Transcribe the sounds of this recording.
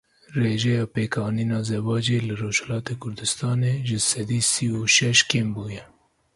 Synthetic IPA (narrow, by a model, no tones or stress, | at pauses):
ɾeʒeawpekʰɑninɑzebɑd͡ʒelaɾoʃalɑt̪ekʊɾd̪ɪst̪ɑneʒəsad̪isiwoʃaʃkembuja